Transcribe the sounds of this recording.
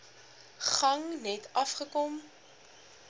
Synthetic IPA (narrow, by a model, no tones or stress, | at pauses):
χɐŋnɛtɐfχəkɔm